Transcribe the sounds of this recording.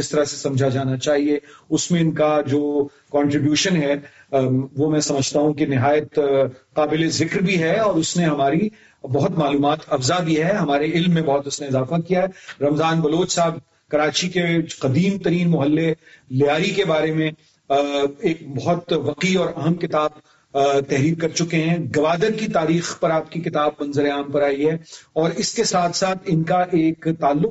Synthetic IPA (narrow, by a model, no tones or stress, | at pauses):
d͡ʒɪst̪ɐɾase̥sɐ̃md͡ʒʱad͡ʒaːnat͡ʃaːɦieʊsmẽɪnkad͡ʒoː | kɔ̃ːɳʈɾɪbjuːʃənɦɛ | ʋomɛ̃sɐməd͡ʒʱt̪aɦũkinɪɦaːjət̪qaːbɪlezɪkɾbʱiɦɛɔːɾʊsneɦɐmaːɾi | bɐɦʊt̪maːluːmaːt̪ɐfzabʱiɦɛɦɐmaːɾeɪlmːẽbɐɦʊt̪ʊsneɪzaːfakijaɦɛɾɐmzaːnbɐloːt͡ʃsaːb̚ | kɐɾaːt͡ʃikeqɐd̪iːmt̪ɐɾiːnmʊɦəlːelɪjaːɾikebaːɾemẽ | eːk̚bɐɦʊt̪ʋɐqiɔːɾɐɦəmkɪt̪aːb̚ | t̪ɛɦɾiːɾkɐɾt͡ʃʊkeɦɛ̃ɡɐʋaːd̪əɾkit̪aːɾiːxpɐɾaːp̚kikɪt̪aːb̚ːɐ̃nzəɾeaːmpɐɾaːiɦɛɔːɾɪskesaːt̪ʰsaːt̪ʰɪnkaʔeːkt̪aːlːʊq